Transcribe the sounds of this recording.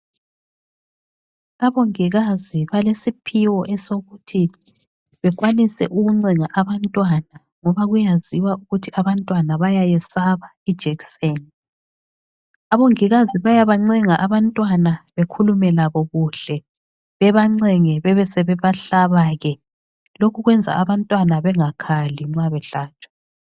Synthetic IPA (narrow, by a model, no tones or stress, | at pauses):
aβoŋiɣaziβalesipʰiwɔʔɛsoɣutʰi | βɛɣwanisɛ̰ʔuɣuŋ͡ǀiŋaʔaβantʼwana | ŋɔβaɣujaziwauɣutʰiaβantʼwanaβajajɛsaβa | id̥ʒ̥ʱɛkseːni | aβoŋiɣaziβajaβaŋ͡ǀɛŋaʔaβantʼwanaβekʰulumɛlaβɔɣuɬɛ | βɛβaŋ͡ǀɛŋɛβɛβɛsɛβɛβaɬaβaːɣɛ | lokʰuɣwɛnd͡zʱa̰aβantʼwanaβɛŋakʰaliŋ͡ǀaβɛɬaːt͡ʃʰʼwḁ